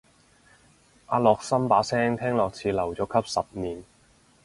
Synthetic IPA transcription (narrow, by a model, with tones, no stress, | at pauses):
ʔaː˨˧lɔː˨k̚sɐ˥mpaː˨˥sɛː˥ŋt̪ʰɛː˥ŋlɔː˨k̚t͡sʰiː˨˧lɐ˨˩wt͡sɔː˨˧˥kʰɐ˥p̚sɐ˨p̚niː˨˩n